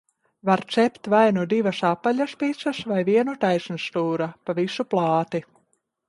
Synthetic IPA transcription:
vaɾt̪sɛpt̪vajnud̪ivasapaʎʲaspit̪sasvajviɛnut̪ajsnst̪uːɾapavisuplˠɑːt̪i

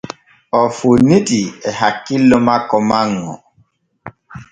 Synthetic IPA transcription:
ɔfunitiɛhakilːɔmakɔmaŋːɔ̰

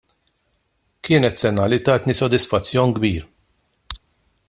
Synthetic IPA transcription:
kɪːnɛt̪sɛnɐlit̪ɐːt̪nisɔd̪ɪsfɐt͡sːjɔnɡbiːɾ

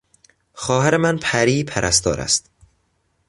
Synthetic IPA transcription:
xɒːɦæɾemænpʰæɾiːpʰæɾʔæst̪ɒ̰ːɾæ̰st̪

